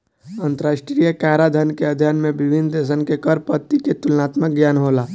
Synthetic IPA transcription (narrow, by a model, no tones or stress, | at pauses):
ənt̪əɾaːsʈɾijəkaɾad̪ʱənkeəd̪ʱjanmẽbibʱind̪es̬ənkekəɾpət̪ːiket̪ulnat̪mək̚ɡjaːnɦoːla